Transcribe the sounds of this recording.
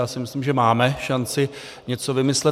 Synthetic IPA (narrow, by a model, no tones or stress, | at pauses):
aːsɪmɪslimʒɛmaːmɛʃant͡sɪ | ɲɛt͡sovɪmɪslɛ